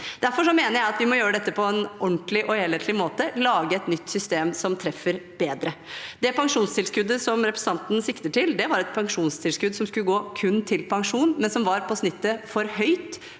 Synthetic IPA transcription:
d̪̥æɾfɔʂɔmeːnəɾjæɪɑt̪ʋɪmɔjøːɾəd̪ɛt̪ːəpʰɔɛnɔnt̪lɪʔɔheːleːt̪ʰlɪmoːt̪əlɑːɡəɛt̪nʏt̪ːsʏst̪eːmsɔmt̪ʰɾɛfːəɾbeːd̪ɾəd̪ɛpʰɑŋʂuːnst̪ɪlskʉd̪ːəsɔmɾɛpɾɛsɑnt̪n̩sɪkt̪əʈɪld̪ɛʋɑɾɛt̪̚pʰɑŋʂuːnst̪ʰɪlskʉd̪sɔmskʉlːəɡoːkʰʉnːt̪ʰɪlpʰɑŋʂuːnmɛnsɔmʋɑɾpʰɔsnɪt̪ːəfɔɾhœʏt̪

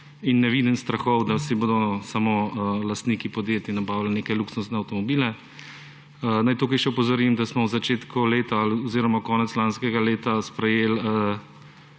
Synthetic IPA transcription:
inːɛʋid̪ənst̪ɾaxɔwd̪asiboːd̪ɔsamolast̪nikipɔd̪jeːt̪inabaːwlneːkɛluksunsnɛawt̪ɔmɔbiːlɛ | najt̪uːkɐjʃɛɔpɔzɔɾimd̪asmɔwzat͡ʃeːt̪kuleːt̪alɔziːɾɔmakɔːnɛt̪slanskɛɡaleːt̪aspɾɛjeːlə

